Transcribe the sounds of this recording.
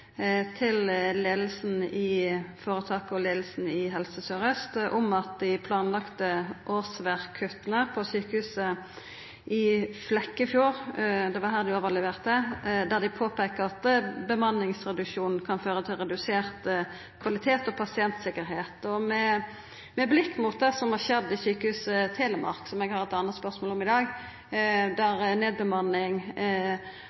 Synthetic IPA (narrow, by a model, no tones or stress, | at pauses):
t̪ʰɪlleːd̪lsn̩ɪfoːʁət̪ʰɑːkɔleːd̪l̩sn̩ɪɦɛlsəsœʁəst̪ʔʊmɑt̪̚d̪ɪpʰlɑːnlɑkt̪əʔoːsʋæʁkʰʉt̪ənəpʰɔsyːkəhʉːsə | ɪflɛkːəɪfjuːʁd̪ɛʋɑɦæːʁd̪ɪoːʋəʁlɛʋeːʁt̪əd̪æʁd̪ɪpʰoːpʰekəɑt̪bəmɑnːɪŋst̪ɾɛd̪ʉʃuːnn̩kʰɑnføːɾət̪ʰɪlɾɛd̪ʉseːʁt̪ | kʰʋɑlɪt̪ʰeːt̪ɔpʰɑsɪɛnt̪sɪkːəɾɦeːt̪ɔmɛ | mɛblɪkːmʊt̪̚d̪ɛsɔmhɑʁʃɛd̪ːɪsyːkəhʉːsət̪ʰeːləmɑ̰ʁksɔmɛɡhɑɾɛt̪ɑnːət̪spœʁsmoːlɔmɪd̪ɑːɡ | d̪æɾneːd̪̚bəmɑnːɪŋ